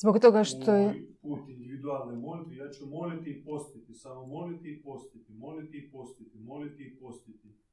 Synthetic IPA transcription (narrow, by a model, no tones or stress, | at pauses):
zbokt̪oɡaʃt̪ojepuːt̪ind̪iʋid̪ualˠnomolit̪ijaːt͡ɕumo̞lit̪iipost̪it̪isamomo̞lit̪iːpost̪it̪imo̞lit̪iipost̪it̪imo̞lit̪iipost̪it̪i